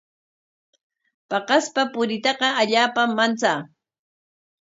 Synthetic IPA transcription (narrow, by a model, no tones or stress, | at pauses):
pɑqɑspapʊɾɪt̪ɑqɑaʎaːpamːant͡saː